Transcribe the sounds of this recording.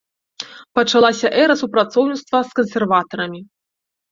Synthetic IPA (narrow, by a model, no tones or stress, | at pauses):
pɐt͡ʂalˠasʲɐʔɛɾɐsupɾat̪sɔwnʲit̪st̪vɐskɐnsʲɛrvat̪ɐɾɐmʲi